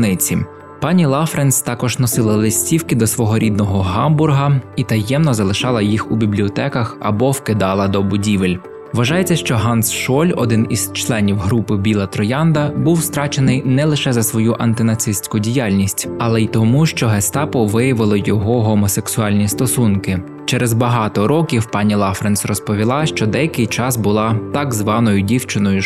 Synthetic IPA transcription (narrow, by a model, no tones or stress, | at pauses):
nɪt͡sʲi | pɑnʲilˠɑfɾenst̪ɑkɔʒnɔsɪlˠɐlˠɪsʲtʲiwkɪd̪ɔsʋɔɦɔɾʲid̪nɔɦɔɦɑmbʊrɦɐit̪ɐjɛmnɔzɐlˠɪʃɑlˠɐjixubʲiblʲiɔt̪ɛkɐxɐ̰bɔwkɪd̪ɑlˠɐd̪ɔbʊdʲiʋelʲ | ʋɐʒɑjet͡sʲːɐʃt͡ʃɔɦɑnsʃɔlʲɔ̰d̪ɪniz̥t͡ʃlˠɛnʲiwɦɾupɪbʲilˠɐt̪ɾɔjɑnd̪ɐbuwst̪ɾɑt͡ʃenɪjnɛlˠɪʃɛzɐsʋɔjuʔɐnt̪ɪnɐt̪sɪsʲt͡sʲkʊdʲijɑlʲnʲisʲtʲɐlˠɛit̪ɔmuʃt͡ʃɔɦɛst̪ɑpɔʋɪjɐʋɪlˠɔjɔɦɔɦɔmɔseksʊɑlʲnʲist̪ɔsunkɪ | t͡ʃɛɾezbɐɦɑt̪ɔɾɔkʲiwpɑnʲilˠɑfɾensrɔspɔʋʲilˠɑʃt͡ʃɔd̪ɛjɐkɪjt͡ʃɑsbʊlˠɑt̪ɑɡzʋɑnɔjʊdʲiwt͡ʃɪnɔjʊ